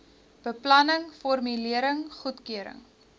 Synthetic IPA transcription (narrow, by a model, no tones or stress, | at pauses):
b̥əplɐnəŋfɔrmyliəɾəŋχutkyəɾə̰ŋ